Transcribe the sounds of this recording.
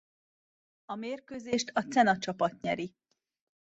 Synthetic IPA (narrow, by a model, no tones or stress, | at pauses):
ɒmeːrkøːzeːʃt̪ʰɒt̪t͡sɛnɒt͡ʃɒpɒt̪ɲɛɾi